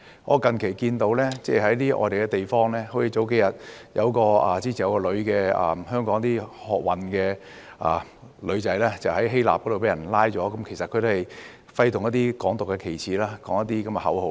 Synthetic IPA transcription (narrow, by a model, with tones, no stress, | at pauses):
ŋʔɔ̰ː˨˧kɐ˨nkʰe˨˩jkiː˧nt̪o˨˧wlɛː˥t͡sɛː˥˩hɐ˨˥jliː˥ʔɔ̰ː˨˧d̪e˨jkɛ˧t̪e˨jfɔː˥ŋlɛː˥ho˨˥t͡sʰi˧t͡so˨˥wke˨˥jɐ˨t̚jɐ̰˨˧wkɔː˧aː˨˩t͡siː˥˩i˨˩jɐ˧wkɔː˧lɵ˨˧ɥkɛː˧a̰ː˨mhœː˥ŋkɔː˨˥ŋt̪iː˥hɔː˨k̚wɐ˨nkɛː˧ʔaː˨˩ | lɵ˨˧ɥt͡sɐ˨˥jlɛː˥t͡sɐ˨whɐ˨˥jɦe˥jla̰ː˨p̚kɔ˨˥do˨wpe˨˥jɐ˨˩nlaː˥jt͡sɔː˨˥kɐ˨˦mkʰe˨˩jsɐt̚kʰɵ˨˧t̪o˥hɐ˨˩j | fɐ˧jt̪ʊ˨ŋjɐ˥t̪̚iː˥kɔː˨˥ŋt̪ʊ˨kːɛ˧kʰe˨˩jt͡sʰiː˨˥laː˥kɔː˨˥ŋjɐ˥t̚t̪iː˥kɐ˨˦mjɛ˧ɦɐ̰˨˥who˨˧˥